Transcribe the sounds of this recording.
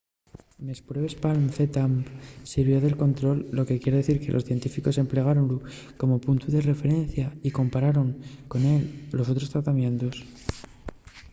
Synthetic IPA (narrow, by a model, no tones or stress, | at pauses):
mespɾeβespalmθet̪ampsiɾβjo̞ðe̞lko̞nt̪ɾo̞lːo̞ke̞kje̞ɾeðeθiɾke̞lo̞̰sθje̞nt̪ifiko̞se̞mple̞ɣ̞aɾo̞nlu | ko̞mo̞punt̪uðe̞re̞fe̞ɾe̞n̟θjaiko̞mpaɾaɾo̞ŋko̞ne̞lːo̞so̞t̪ɾo̞st̪ɾat̪amjẽ̞nt̪os